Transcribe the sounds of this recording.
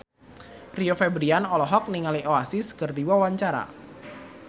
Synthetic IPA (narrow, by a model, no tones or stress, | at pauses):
riofɛbɾianɔlɔɦɔk̚niŋaliʔoasiskərdiwawaɲt͡ʃaɾa̰